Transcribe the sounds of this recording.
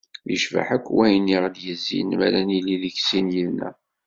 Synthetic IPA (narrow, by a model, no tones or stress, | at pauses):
jə̰ʃva̰ħækʷːwæjniʁljəzːḭnmæ̰læniliðiçsinjilnæ̰